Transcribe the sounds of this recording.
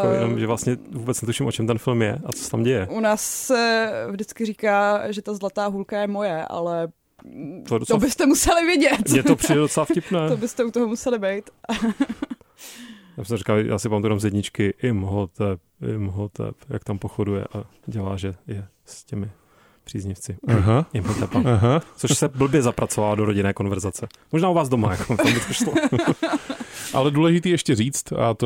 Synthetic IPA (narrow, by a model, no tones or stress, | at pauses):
ajɛnomʒɛvlast̪ɲɛvuːbɛt͡snɛt̪uʃɪmʔot͡ʃɛmt̪ɛnfɪlmjɛʔat͡so̥sɛt̪amɟɛjɛʔunaːsːɛvdɪt͡skɪriːkaːʒɛt̪azlat̪aːɦulkajɛmojɛʔa̰lɛ | t̪odot͡s̪obɪst̪ɛmusɛlɪvjɛɟɛt̪mɲɛopridɛdot͡sɛlafcɪpnɛːobɪst̪ɛut̪oɦomusɛlɪbɛjt̪ | t̪a̰bsɛmrikaljʔa̰ːsɪpamat̪ujt̪amzjɛdɲɪt͡ʃkɪʔɪmɦot̪ɛp̚ɪ̰mɦot̪ɛ̰pja̰kt̪ampoxodujɛ̰ʔa | ɟɛlaːʒɛjɛ | scɛmɪ | pr̥iːzɲɪft͡sɪɦaɪmɦot̪ɛpaɦat͡soʃsɛbl̩bjɛzapɾat͡sovaadoɾoɟɪnɛːko̞nvɛɾzat͡sɛ | moʒnaːuvaːzdomajakoambɪt̪ʰoʃlo | ʔa̰lɛduːlɛʒɪt̪iːɛʃcɛriːt͡st̪a̰t̪